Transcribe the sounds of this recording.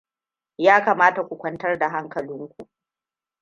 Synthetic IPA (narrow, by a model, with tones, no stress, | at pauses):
jaː˦kaː˨maː˦ta˨kʷu˨kʷɐ˦ntɐ˦rda˨ɦa˦ŋkɐ˨lɪ˦ŋkʷu˨ʔ